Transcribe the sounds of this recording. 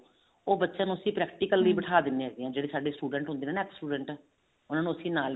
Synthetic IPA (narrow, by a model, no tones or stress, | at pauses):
oːbətːʃãːnũːəsĩːpɾɛːkʈiːkəlːiːbəʈʰaːd̪ɪnːeːɦɛːd̪eːãːd͡ʒeːɽeːsaːɖeːsʈuːɖəɳʈɦʊ̃nd̪eːneːnɛːksʈuːɖəɳʈ | ʊnãːnũːəsĩːnaːl